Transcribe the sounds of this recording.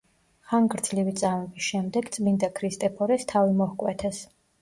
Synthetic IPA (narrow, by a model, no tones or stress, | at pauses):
χaŋɡɾd̪z̥livit̪sʼamɔbisʃɛmd̪ɛɡt̪sʼmind̪akʰɾist̪ʼɛpʰɔɾɛst̪ʰavimɔhkʼwɛt̪ʰɛs